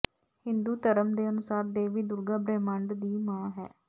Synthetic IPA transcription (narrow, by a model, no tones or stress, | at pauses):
hɪnd̪uːt̪əɾəmd̪eːənʊsaːɾd̪eːʋiːd̪ʊɾɡaːbɾeːməɳɖd̪iːmãːɦɛ̰ː